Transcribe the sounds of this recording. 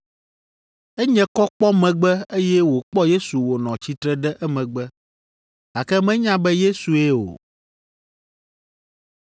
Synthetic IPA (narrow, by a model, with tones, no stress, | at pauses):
ɛ˦ɲɛ̃˦kɔ˦k͡pɔ˦mɛ̃˨ɡ͡bɛ˦e˦jɛ˦wo˨k͡pɔ˦je˦su˨wo˨nɔ̃˨t͡ɕi˦t̪ɾɛ˦ɖɛ˦ʔɛ˦mɛ̃˨ɡ͡bɛ˦ | a˨kɛ˦mɛ̃˦ɲã˦bɛ˦je˦su˨e˦o̰˨